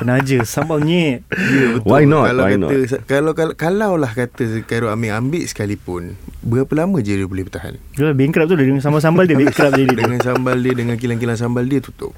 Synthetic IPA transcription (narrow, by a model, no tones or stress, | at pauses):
pənad͡ʒəsambawɲɛt̪diəbətw̪wajnɔalakan̰əskalawkakalawlahkat̪əəkaɾoamiambɪʔsə̥kalipʊnbəapəlamə̃d͡ʒiədiəbulɛhbət̪aɦa̰n | d͡ʒəlabeŋkɾap̚t̪udədəŋans̬ambas̬ambaldiəbeŋkɾap̚d͡ʒaditdəŋansambaldiədəŋankilank̬ilans̬ambaldiət̪ut̪ʊ̰p̚